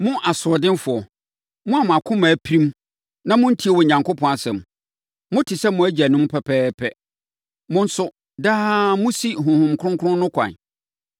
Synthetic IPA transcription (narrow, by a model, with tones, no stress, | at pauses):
mʊ̃˦ʔa˨sʊ˨ɔ˨dɪ̃˦n˦fʊ˨ɔ˨ | mʊ̃˦a˨mʊ̃˨a˨kʰʊ̃˦maː˨pʰi˦ɾĩ˦m | nã˦mʊ̃˦n̩˦tʰi˦e˨wɔ˨ɲã˨ŋkʰo˦pʰɔ̃˨a˨sɛ̰̃˨m | mʊ̃˦tʰɪ˨sɛ˦mʊ̃˨æ˦d͡ʑæ˨nʊ̃˦m˦pʰɛ˨pʰɛː˦pʰɛ˦ | mʊ̃˦n̩˦sʊ˦ | daː˦mʊ̃˦si˦ɦʊ̃˨hʊ̃˨m˨kʰʊ˦ʊ̃˦kʰʊ˦ʊ̃˦nʊ̃˦kʰʷã̰˨n˨